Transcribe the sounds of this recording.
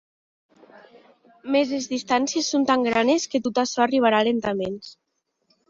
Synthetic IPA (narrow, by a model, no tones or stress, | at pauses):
mezezðist̪ansiesːont̪aŋɡɾanesket̪ot̪aʃɔariβ̞aɾalent̪amens